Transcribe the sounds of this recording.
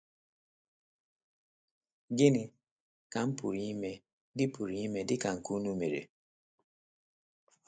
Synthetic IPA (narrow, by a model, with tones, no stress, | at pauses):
ɡe˦ni˨ | ka˨˦m̩˦pu˨ɾi˨i˦mɛ˨ | di˦pu˨ɾi˨i˦mɛ˨dɪ˦ka˨ŋ̩˨ku˦nu˦me˨ɾḛ˨